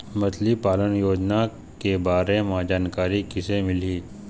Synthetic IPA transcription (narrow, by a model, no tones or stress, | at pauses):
mɐt̪ʰlipaːlənjoːd͡ʒna | kebaːɾemãːd͡ʒaːnkaːɾikɪsemɪliː